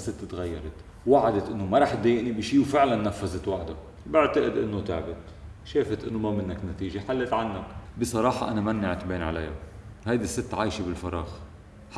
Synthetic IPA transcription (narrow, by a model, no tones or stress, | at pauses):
sɪt̪ːt̪ɣajːɑɾˤɑt̪ | waʕad̪at̪ʔɪnːomaɾˤɑːħt̪̚d̪ejɪʔnibiʃiːwfɪʕlanːafːazɪt̪waħd̪a | bɪʕt̪aʔɪd̪ʔɪ̰nːot̪a̰ʕbɪt̪ | ʃeːfat̪ʔɪnːomamɪnːaknat̪iːʒaħalːɪt̪ʕanːakbɪsˤɑɾˤɑːħɑʔanamanːaʕt̪beːnʕa̰lajːa̰hajd̪isːɪt̪ːʕaːʃibɪlfɑɾˤɑ̰ːx